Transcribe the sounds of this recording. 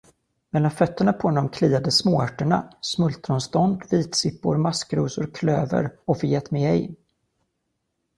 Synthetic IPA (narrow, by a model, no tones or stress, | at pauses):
mɛlːanfœt̪ːəɳapʰɔnɔmkʰliːad̪əsmoːæʈːəɳa̰smɵlt̪ɾɔnst̪ɔnd̪viːt̪sɪpːʊ̰ɾmaskɾuːsʊɾkʰløːvə̰ɾɔfœjɛt̪ːmɛɛ̰j